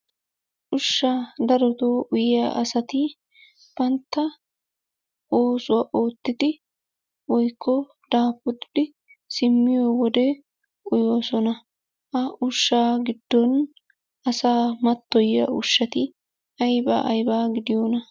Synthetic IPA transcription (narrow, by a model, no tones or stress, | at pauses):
ʔʊʃːaːd̪ɐɾɔt̪oːʔʊjɪjaːʔɐsɐt̪ɪ | b̥ɐnt̪ːɐ | oːsʊwaːʔo̞ːt̪ːɪd̪ɪ | wɔjkʰːɔ | d̪̥aːfʊd̪ɪd̪̥ɪ | sɪmːɪjoːwɔd̪e | ʊjoːsɔnɐ | ʔɐʔʊʃːaːɡɪd̪ːɔn | ɐsaːmɐt̪ːɔjːɐ̰ʔʊʃːɐt̪ɪ | ɐjba̰ʔɐjbaːɡɪd̪ɪjoːnɐ